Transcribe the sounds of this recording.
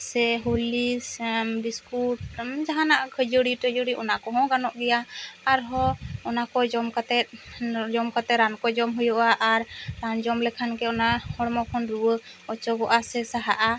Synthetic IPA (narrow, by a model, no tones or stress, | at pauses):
sɛɦolismbiskuʈ̚d͡ʒaɦãnaʔkʰəd͡ʒəɽiʈəd͡ʒɔɽiʔɔnakɔɦɔ̃ɡanɔʔɡɛjaaɾɦɔɔnakɔd͡ʒɔmkat̪ɛt̪̚d͡ʒɔmkat̪ɛɾankɔd͡ʒɔmɦujɔʔaʔaɾɾand͡ʒɔmlɛkʰankɛɔnahɔɽmɔkʰɔnɾuwə | ɔt͡ʃɔɡɔʔasɛsaɦaʔa